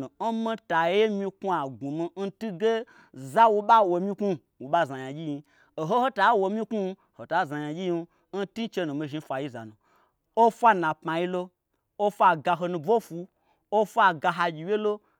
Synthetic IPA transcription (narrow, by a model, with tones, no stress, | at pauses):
u˨n̩˦mi˧ta˨˦e˦mĩ˧ku˦a˨ɡu˨mi˧n̩˦tu˦ɡe˦ | za˦wu˧ɓa˦wo˧mʲĩ˦ku˦ | wu˨ɓa˦za˨jã˨ɡʲi˦ji˧ | o˨ɦo˦ho˦ta˨˦wo˧mʲĩ˦ku˦˧ | ho˨ta˨˦˨za˨ja˨ɡʲi˦ji˧n˦ | n̩˦ti˦t͡ʃe˧nũ˨mi˧ʒi˧˦fʷa˨ji˦za̰˨nũ˨ | o˦fʷa˦nã˨pma˨ji˧lo˧ | o˦fʷa˨ɡa˧ɦo˧nũ˧b͡vo˦fu˧ | o˦fʷa˨ɡa˧ɦa˧ɡʲi˨˧je˦lo˦